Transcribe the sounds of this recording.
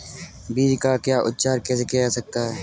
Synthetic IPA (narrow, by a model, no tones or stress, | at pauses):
biːɾkaːkjaːʔʊt̪̚t͡ʃaːɾkɛːsekejasək̚t̪aːɦɛː